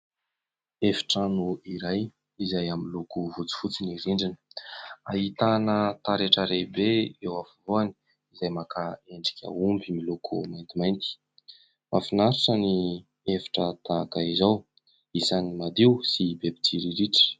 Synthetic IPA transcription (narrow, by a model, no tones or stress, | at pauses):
efi̥ʈ͡ʂanuiɾaj | izajamilukuvut͡si̥fut͡siniɾiɳɖ͡ʐinə̥a̰ɦit̪anət̪aɾeʈ͡ʂəɾebeewafavoani̥ | izajmakaeɳɖ͡ʐi̥kʲə̰umbimilukʰṵmajnt̪imajnt̪i̥ | mʔa̰finaɾaʈ͡ʂəni | efḁʈ͡ʂət̪akaizaw | isanimad̪iwsibebid̪iɾiɾiʈ͡ʂə̥